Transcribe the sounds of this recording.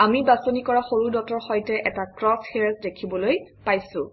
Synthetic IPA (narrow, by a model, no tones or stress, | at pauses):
amibasonikɔɹaxoɹudɔtɔɹxɔjtɛʔɛtakɹɔshiɹsdekʰibɔlojpajsʊ̃